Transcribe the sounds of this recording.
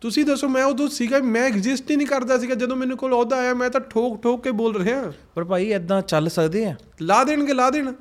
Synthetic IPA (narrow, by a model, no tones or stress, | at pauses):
t̪ʊsĩːd̪əsːoːmɛ̃ːʊd̪õːsiːɡaːmɛ̃ːɪkzɪsʈiːnĩːkəɾd̪aːs̬iːɡaːd͡ʒəd̪õːmɛːnũːkoːlɔːd̪aːjaːmɛ̃ːt̪ãːʈʰoːkʈʰoːkːeːboːlɾəɦeːãːpəɾpaːiːɛd̪ãːt͡ʃəlsəkd̪eːɛː | laːd̪eːɽ̃ɡeːlaːd̪eːɽ̃